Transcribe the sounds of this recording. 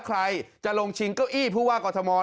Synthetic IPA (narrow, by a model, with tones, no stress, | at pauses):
kʰɾa˧jt͡ɕa˨˩ʔlo˧ŋt͡ɕʰi˧ŋka˥˩wʔiː˥˩pʰuː˥˩waː˥˩kɔː˧t̪ʰmɔː˧